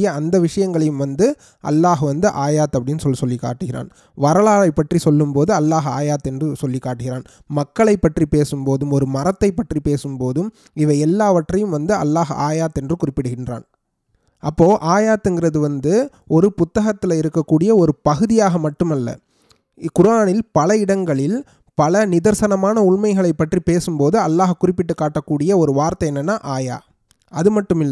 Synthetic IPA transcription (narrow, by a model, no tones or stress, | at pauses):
jɐɐnd̪ɐʋɪʂɐjɐŋɡɐɭɐjɯmʋɐnd̪ɯ | ʔɐ̰lːaːɣʋɐnd̪ɯʔaːjaːt̪ːɐpːɐɽɪnːɯsɔlːsɔlːɪkːa̰ːʈːɯɣɪra̰ːn | ʋɐɾɐɭaːlɐɪpːɐʈrisɔlːɯmpoːðɯɐlːaːɣa̰ːjaːt̪ːɛndrɯsɔlːɪkːaːʈːɯɣɪɾaːn | mɐkːɐɭɐɪpːɐʈripeːsɯmpoːðɯmɔɾɯmɐɾɐt̪ːɐɪpːɐʈripeːsɯmpoːðɯm | ɪʋɐɪɛlːaːʋɐʈrɐjɯmʋɐnd̪ɯɐ̰lːaːɣa̰ːjaːt̪ːɛndrɯkʊrɪpːɪɽɯɣɪndra̰ːn | ɐpːoːʔaːjaːt̪ːɛnɡɪrɐðɯʋɐnd̪ɯ | ɔɾɯpʊt̪ːɐɣɐt̪ːɪlɐɪɾɯkːɐkːuːɽɪjɐɔɾɯpɐɣɯðɪjaːɣɐmɐʈːɯmɐlːɐ̰ | kʊɾaːnɪlpɐlɐɪɽɐŋɡɐɭɪl | pɐlɐnɪðɐɾsɐnɐmaːnɐʊɭmɐɪɣɐɭɐɪpːɐʈripeːsɯmpoːðɯɐlːaːɣɐkːʊrɪpːɪʈːɯkːaːʈːɐkːuːɽɪjɐɔɾɯʋaːɾt̪ɐɛnːɐnːaːʔaːja̰ː | ɐðɯmɐʈːɯmɪlːɐ